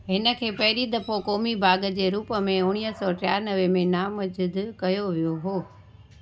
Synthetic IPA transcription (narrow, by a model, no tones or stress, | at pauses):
ɦɪnə̆kʰeːpɐɦɪɾid̪ɐfokɔːmibʱaːɡəd͡ʑeːɾuːpəmẽʊɽ̃iːɦəsɔːʈjaːɾnɐʋemẽnaːmɐd͡ʑɪd̪kɐjoʋijoɦoː